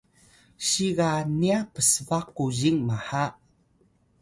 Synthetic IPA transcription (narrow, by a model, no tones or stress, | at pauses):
ɕiɣaniapəsəvaqːuʑiŋmaħa